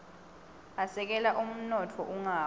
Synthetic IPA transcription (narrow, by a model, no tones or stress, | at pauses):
asɛk̬ʼɛlaʔum̩nɔtʰɔʔuŋaː